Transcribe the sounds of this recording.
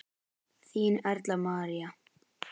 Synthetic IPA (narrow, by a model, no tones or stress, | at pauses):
θiːnɛɾt̪lamaːɾia